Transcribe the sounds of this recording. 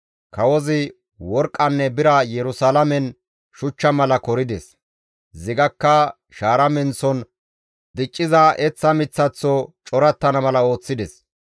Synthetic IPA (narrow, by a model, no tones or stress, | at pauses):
kɐwɔzɪ | wɔɾkʼːɐnːɛbɪɾɐjɛɾʊsaːlɐmɛn | ʃʊt͡ʃːɐmɐlɐkɔɾɪd̪ɛs | zɪɡɐkːɐ | ʃaːɾɐmɛnsɔn | d̪ɪt͡ʃʼːɪzɐɛt͡sːɐmɪt͡sːɐt͡sːɔt͡ʃʼɔɾɐt̪ːɐnɐmɐlɐo̞ːt͡sːɪd̪ɛs